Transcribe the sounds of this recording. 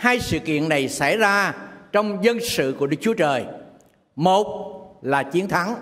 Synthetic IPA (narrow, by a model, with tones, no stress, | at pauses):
haː˧jsɨ̰˧˨kḭ˧˨ənːa˨˩jsa˧˩jzaː˧t͡ɕɔ˧wŋ͡mzə˧nsɨ̰˧˨ku˧˩əɗɨ˦˥k̚t͡ɕu˨˦ət͡ɕəː˨˩j | mo˨˩t̚laː˨˩t͡ɕi˨˦ənt̪ʰa˨˦ŋ